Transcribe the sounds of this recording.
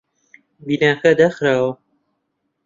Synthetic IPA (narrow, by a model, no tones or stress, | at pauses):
biːnaːkɐd̪ɐxɾaːwɐ